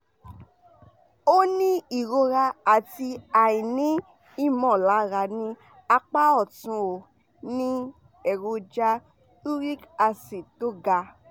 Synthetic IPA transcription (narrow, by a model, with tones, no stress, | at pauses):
o˦nĩ˦i˦˨ɾo˧ɾa˧a˨ti˧a˨jĩ˨nĩ˨˦ | i˦mɔ̃˨la˨˦ɾa˧nĩ˦ | a˧k͡pa˦ɔ˦˨tũ˧o˨ | nĩ˦ | ɛ˨ɾo˧d͡ʒa˦ | tu˦ɾi˦ka˧si˨to˦ɡa˧